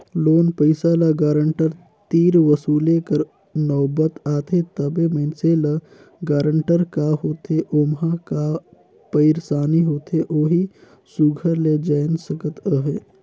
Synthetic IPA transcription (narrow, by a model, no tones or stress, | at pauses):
loːnpəɪsalaɡaːɾəɳʈəɾ | t̪iːɾʋəsuːlekəɾ | nɔːbət̪aːt̪ʰet̪əbeməɪnsela | ɡaːɾəɳʈəɾkaɦoːt̪ɦeʔoːmɦaka | pəɪɾsaːniɦoːt̪eʔoːɦi | suɡʱəɾled͡ʒəːnsəkət̪əɦeː